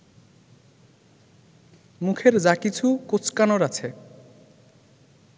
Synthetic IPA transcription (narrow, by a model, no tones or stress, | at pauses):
mukʰeɾd͡ʑakit͡ɕʰukot͡ɕkanoɾat͡ɕʰe